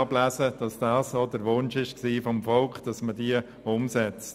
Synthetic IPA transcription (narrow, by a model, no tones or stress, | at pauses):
ɑblæːsəd̥ɑsd̥ɑːsoːdəɾʋʊnʃɪʃksiːfɔmfɔlkχd̥ɑsmədiə | ʊmsɛt͡st